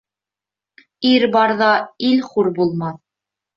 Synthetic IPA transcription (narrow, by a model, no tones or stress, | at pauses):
iɾbɑɾðɑilχuɾbulˠmɑθ